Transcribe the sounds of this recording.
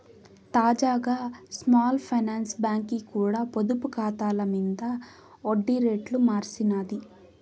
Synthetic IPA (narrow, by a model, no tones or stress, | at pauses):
t̪aːd͡ʒaːɡaːsmaːlpʰɐjnaːnsbaːŋkikuːɽaːpod̪upukaːt̪aːlɐmid̪ɐ | oɖːiɾeːʈlumaːɾsinaːd̪i